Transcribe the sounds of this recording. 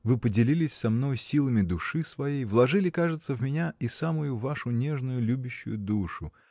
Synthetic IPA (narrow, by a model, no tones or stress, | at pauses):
vɨpədʲɪlʲilʲɪsʲsɐmno̞jsʲilˠəmʲɪd̪ʊʂɨsvɐjejvlˠɐʐɨlʲɪkaʐɨt̪səvmʲɪnʲaisamʊjʊvaʂʊnʲe̞ʐnʊjʊlʲubʲɪɕːʊ̰jʊd̪uʂʊ